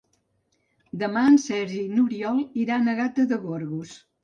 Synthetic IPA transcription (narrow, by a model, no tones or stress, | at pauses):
d̪əmansɛɾʒinuɾiɔlˠiɾanəɣat̪əðəɣoɾɣus